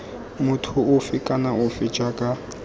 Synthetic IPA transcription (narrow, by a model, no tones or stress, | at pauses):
mʊtʰʊʊfɪkʼanaʊfɪd͡ʒakʼa